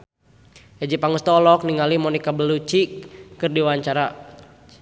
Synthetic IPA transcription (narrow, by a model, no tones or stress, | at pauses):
ɛd͡ʒipaŋust̪ɔlɔk̚niŋalimɔnikabəlut͡ʃikːɨrdiwaɲt͡ʃaɾa